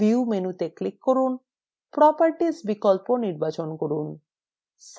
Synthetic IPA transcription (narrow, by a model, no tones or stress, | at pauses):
iumenut̪eklikːoɾun | pɾɔpaɾʈisbikolponiɾbat͡ɕonkoɾun | s